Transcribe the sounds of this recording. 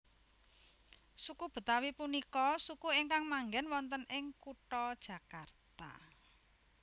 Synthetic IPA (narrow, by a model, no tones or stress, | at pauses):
sukub̥ə̤t̪awipunikɔsukuiŋkaŋmaŋɡɛnwɔnt̪ənɪŋkuʈɔd̥ʒ̥ä̤kart̪a̰